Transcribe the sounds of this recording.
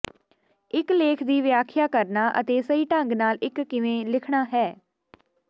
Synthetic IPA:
ɪkleːkʰd̪iːʋɪjaːkʰɪjaːkəɾnaːʔə̰t̪eːsəiːʈə̃ŋɡnaːlɪkːɪʋẽːlɪkʰɽaːɦɛː

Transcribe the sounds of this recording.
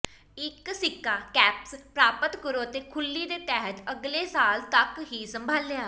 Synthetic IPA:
ɪksɪkːaːkɛːpspɾaːpət̪kəɾoːt̪eːkʰʊlːiːd̪eːt̪ɛːɦət̪əɡleːsaːlt̪əkɦiːsəmbʱaːlɪjaː

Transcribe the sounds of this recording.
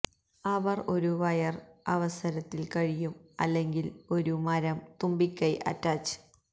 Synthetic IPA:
ɐʋɐro̞ɾuʋɐjɐrɐʋɐsɐɾɐt̪ːilkɐɻijumɐ̰lːe̞ŋɡilo̞ɾumɐɾɐmt̪umbikʲːɐjʔɐ̰tːaːt͡ɕːɨ̥

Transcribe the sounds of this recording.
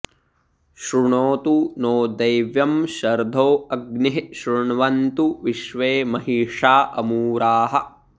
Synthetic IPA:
ʃɾuɳoːt̪unoːd̪ɐjʋjɐmʃɐɾd̪ʱoːɐɡniɦʃɾuɳʋɐnt̪uʋiʃʋeːmɐɦiːʂaːʔɐmuːɾaːɦɐ̰̆

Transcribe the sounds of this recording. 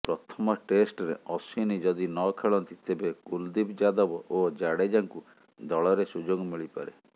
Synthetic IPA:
pɾɔt̪ʰɔmɔʈesʈɔɾḛɔsinid͡ʒɔd̪inɔkʰeɭɔnt̪it̪ebeɡ̥uld̪ibd͡ʒad̪ɔbɔʔod͡ʒaɽed͡ʒaŋku | d̪ɔɭɔɾesud͡ʒoɡɔmiɭipa̰ɾe

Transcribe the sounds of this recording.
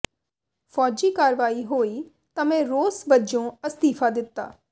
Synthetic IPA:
fʰɔːd͡ʒiːkaːɾʋaːiːɦoːiː | t̪ãːmɛ̃ːɾoːsbəd͡ʒõːəst̪iːpʰaːd̪ɪt̪ːa̰ː

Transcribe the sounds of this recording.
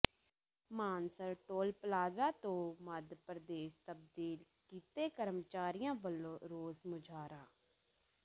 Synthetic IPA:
maːnsəɾʈoːlpəlaːzaːt̪õːməd̪pɾəd̪eːst̪əb̚d̪iːlkiːt̪eːkəɾəmt͡ʃaːɾɪjãːbəlːõːɾoːzmʊd͡ʒʱaːɾaː

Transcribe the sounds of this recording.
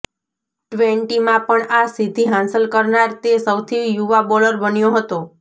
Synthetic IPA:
ʈʋeɳʈimãpəɳasid̪ʱiɦãnsəlkəɾnaɾt̪esəwt̪ʰijuʋabɔləɾbənjoɦət̪o

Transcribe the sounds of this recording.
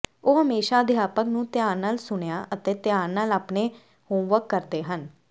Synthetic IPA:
oːɦəmeːʃaːd̪ɪjaːpəknũːt̪jaːɾnaːlsʊɳjaːʔət̪eːt̪ɪjaːɾnaːlaːpɳeː | hõːmʋəkːəɾd̪eːɦən

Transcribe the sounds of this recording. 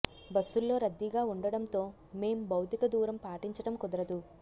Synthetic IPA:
bɐsːulːo̞ːɾɐd̪ːiɡaːuɳɖɐɽɐnt̪o̞ː | me̞ːmubʱɐwt̪ikɐd̪uːɾɐmpaːʈiɲt͡ʃɐɽɐmkɔd̪ɐɾɐd̪u

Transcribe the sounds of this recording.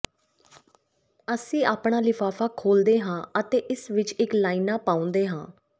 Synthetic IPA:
əsĩːʔaːpɳaːlɪpʰaːfʰaːkʰoːld̪eːɦãːət̪eːʔɪsʋɪt͡ʃɪklaːiːnaːpaːʊ̃nd̪eːɦãː

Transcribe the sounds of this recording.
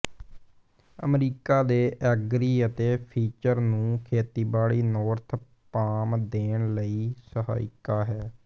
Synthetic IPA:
ə̰mɾiːkaːd̪eːʔɛɡɾiːət̪eːpʰiːt͡ʃəɾnũːkʰeːt̪iːbaːɭiːnɔːɾt̪ʰ | paːmd̪eːɳləiːsəɦa̰ːɪkaːɦɛː

